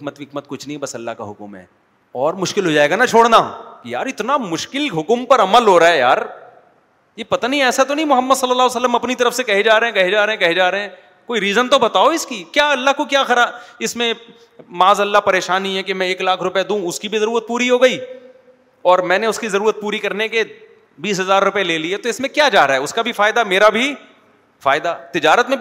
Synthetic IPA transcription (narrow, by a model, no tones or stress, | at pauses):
ɪkmət̪ʋɪkmət̪̚kʊt͡ʃʰnɐɦĩɦɛbɐsɐlːa̰ɦka̰ɦʊkʊmɦɛ̰ː | ɔːɾmʊʃkɪlɦoːd͡ʒaːeːɡanat͡ʃʰoːɽna̰kija̰ːɾɪt̪namʊʃkɪlɦʊkmpɐɾɐməlɦoːɾaːejaːɾ | jepɐt̪aniɛːsat̪onɐɦĩmʊɦəmːəd̪sɐlːəlːaɦosɐlːəmɐpnit̪ɐɾəfsekɐɦed͡ʒaːɾeɦɛ̃kɐɦed͡ʒaːɾɐɦɛ̃kɐɦed͡ʒaːɾeɦɛ̃ | koːiɾiːzənt̪obɐt̪aːoɪskikjaːɐlːaɦkokjaːxɐɾaːɪsmẽ | maːzɐlːapɐɾeːʃaːnːiɦɛkemɛ̃eːklaːkʰɾʊpjed̪ũːʊskibʱizɐɾuːɾət̪̚puːɾiɦoːɡɐiː | ɔːɾmɛ̃ːneʊskizɐɾuːɾət̪̚puːɾikɐɾneke | biːs̬ɦɐzaːɾːʊpeleːliɦɛt̪oɪsmẽkjaːt͡ʃaːɾaːɦɛʊskabʱifaːɪd̪ameːɾabʱi | faːɪd̪at̪ɪd͡ʒaːɾət̪mẽ